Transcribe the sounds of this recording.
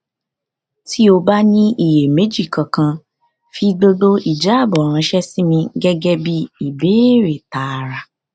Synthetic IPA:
ti˦o˧ba˦nĩ˦i˨je˨me˨˦d͡ʒi˦˨kã˨kã˧ | fi˧do˧do˦ʔi˨d͡ʒa˨˦a˦˨bɔ˨ɾ̃ã˧ʃɛ˦si˦mĩ˧ɡɛ˦ɡɛ˦bi˦i˦˨be˨˦ɾe˨ta˨ɾa˧

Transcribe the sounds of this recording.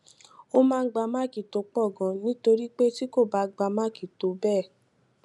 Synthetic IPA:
o˦mãː˦˧˦ɡ͡ba˧mã˦ki˨to˧k͡pɔ˦˨ɡɔ̃˨nĩ˨˦to˧ɾi˦k͡pe˦ti˦ko˦˨ba˧˦ɡ͡ba˧mã˦ki˨to˨bɛ˦˨

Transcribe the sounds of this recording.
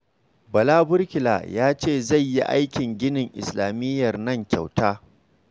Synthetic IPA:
bɐ˨laː˦bʊ˦rkʲɪ˨la̰ː˨jaː˦t͡ʃeː˦˨za˦˨jji˦ʔa̰˦jkʲɪ˨ŋɡʲɪ˦nɪ˨ŋʔɪ̰˨slaː˨mɪ˦jːɐ˨rnɐ˦˨ŋkʲa̰˨wtaː˦

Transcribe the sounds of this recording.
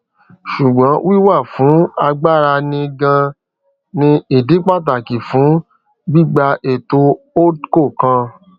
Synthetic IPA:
ʃu˨ɡ͡bã˨˦wi˦wa˦˨fũ˨˦a˧ɡ͡ba˦˨ɾa˧nĩ˧ɡã˧ | nĩ˧i˨di˨˦k͡pa˦˨t̬a˨ki˨fũ˨˦ | bi˦˨ɡ͡ba˧ʔe˨to˧ | o˦ko˦˨kã˧

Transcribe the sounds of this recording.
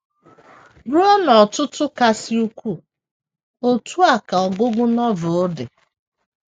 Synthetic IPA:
bu˦ɔ˦nɔ˨tʊ˦tʊ˦ka˦si˦u˦kʷu˦˨ | o˦tu˦a˨ka˨ɔ˨ɡʊ˦ɡʊ˦nɔ˦vʊ˨ʊ˦dɪ˨

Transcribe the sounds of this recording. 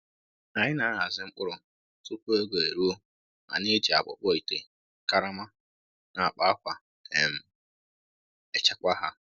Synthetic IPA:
a˨ɲɪ˦na˨˦a˨zɪ˦ŋ͡m̩˦k͡pʊ˦ɾʊ˨ | tʊ˦ku˦e˦ɡʷe˨e˨ɾu˦o˦ | na̰˨ne˦d͡ʒi˨a̰˨bʊ̰˨k͡pɔ˦i˨te˨ | ka˦ɾa˦ma˦ | na˨k͡pa˦a˦kʷa˨ | tʰe˨m̩˨ | e˨t͡ʃa˦kʷa˦ɦa˦

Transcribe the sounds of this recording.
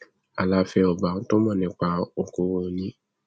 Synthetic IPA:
a˨la˦fɛ˧ɔ˨ba˨ŋ̩˦t̪o˦mã˨nɛ̃˨k͡pa˨o˨ko˨˦wo˨nĩ˦

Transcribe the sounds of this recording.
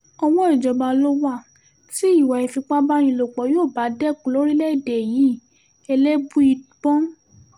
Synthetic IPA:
ɔ˧w̃ɔ̃˦i˨d͡ʒɔ˨ba˧lo˦wa˦˨ | si˦i˦˨wa˨i˨fi˧k͡pa˦bã˦ĩ˧˨lo˨k͡pɔ˨˦joː˦˨ba˨˦dɛ˦˨kũ˨lo˨˦ɾi˦lɛ˦i˦˨de˨ji˨˦ | ɛ˧lɛ˦bu˦i˧bɔ̃˦

